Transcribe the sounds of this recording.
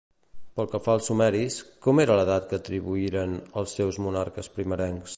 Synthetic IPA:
pəlˠkəfaəlˠsumɛɾiskɔmeɾələðat̪̚kəːt̪ɾiβuiɾənəlˠsːɛwzmunaɾkəspɾiməɾɛŋks

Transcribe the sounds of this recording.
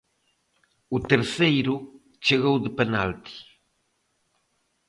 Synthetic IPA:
ut̪eɾθejɾu | t͡ʃeɣowðəpena̰lt̪i̥

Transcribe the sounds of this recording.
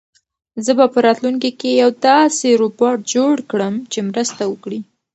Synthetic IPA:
zəbapəɾɑt̪luŋkikejawd̪ɑseɾupoʈ̚d͡ʒoɽkɽəmt͡ʃemɾəst̪awəkɽi

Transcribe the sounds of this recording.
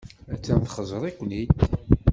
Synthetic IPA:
æt͡sːænθχəzˤɾˤikʷːnid̪

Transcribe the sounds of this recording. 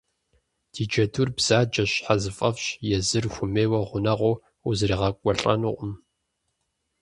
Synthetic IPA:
d̥ʰiːd͡ʒɐtʰurbz̥aːd͡ʒɐɕħazɨfʼɐfɕjɛzɨrxʷʊmeːwɐʁʷʊnɐʁʷow | uzriːʁɐkʷʼɔɬʼɐ̰nʊʔʷʼʊm

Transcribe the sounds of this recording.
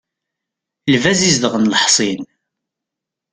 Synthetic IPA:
lvæzizðəʁənləħsˤin

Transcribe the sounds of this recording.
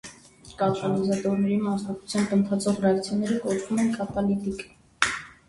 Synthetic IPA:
kɑt̪ɑlizɑt̪ɔɾnɛɾimɑsnɑkt͡sʰu̥t͡sʰjɑnt̪ənt̪ʰɑt͡sʰɔʁrɛɑkt͡sʰjɔnɛɾəkɔt͡ʃʰvumɛnkʰɑt̪ɑlit̪ik

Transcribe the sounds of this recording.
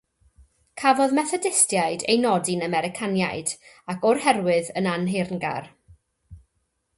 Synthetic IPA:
kʰavɔðmɛθɔdɪstjajdḛjnɔdɪnəmɛɾɪkʰanjajd | akʰɔrhɛrwɨðənanɦernɡa̰r

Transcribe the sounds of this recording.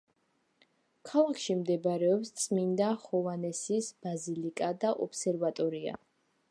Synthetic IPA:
kʰalˠakʰʃimd̪ɛbɾɛɔpst̪sʼmind̪aχɔvanɛsisb̥azilikʼad̪aʔɔpsɛɾvat̪ʼɔɾia̰

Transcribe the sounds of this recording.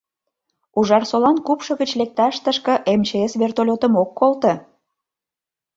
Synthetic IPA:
uʒɑrsolɑnkupʃɤ̆ɣət͡ɕlek̚t̪ɑʃt̪əʃkə̆ʔemt͡ɕeesβert̪olʲot̪əmokːolt̪ə̆

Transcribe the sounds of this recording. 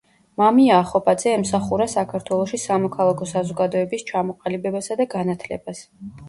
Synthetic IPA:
mamiaːχɔpʼad̪zɛɛmsaχuɾasakʰaɾt̪ʰwɛlˠɔʃisamɔkʰalˠakʰɔsazɔɡad̪ɔɛbist͡ʃʰamɔqʼalibɛbasad̪aɡanat̪ʰlɛ̰bas

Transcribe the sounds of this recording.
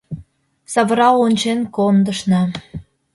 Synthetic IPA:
sɑβəɾɑlonʲt͡ɕenkond̪əʃnɑ

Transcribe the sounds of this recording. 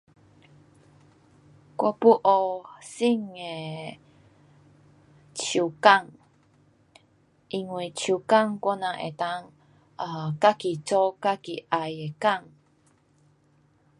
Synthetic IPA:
kʷopuʔosiŋe | t͡ʃukaŋ | ʔiŋwit͡ʃukaŋkʷonãʔḛt̪aŋ | akakit͡ʃokakiʔajekaŋ

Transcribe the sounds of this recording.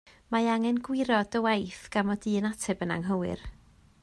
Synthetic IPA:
maaŋɛnɡwɪɾɔd̥əwajθɡ̥amɔdiːənatʰɛbəna̰ŋɦəwɪ̰r

